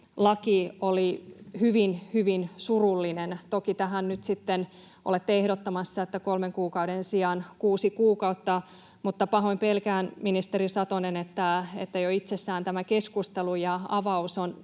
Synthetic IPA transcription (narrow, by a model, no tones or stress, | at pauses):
lɑkiolihyʋinhyʋinsurulːinent̪okit̪æɦænnyt̪sit̪ːen | o̰let̪ːeehdot̪ːɑmɑsːɑet̪ːækolmeŋkuːkɑuɾensiɑnkuːsikuːkɑut̪ːɑ | mut̪ːɑpɑɦoimpelkæːnminist̪erisɑt̪onenet̪ːæḛt̪ːæjoit̪sesːæːnt̪æmækeskust̪elujɑɑ̰ʋɑuson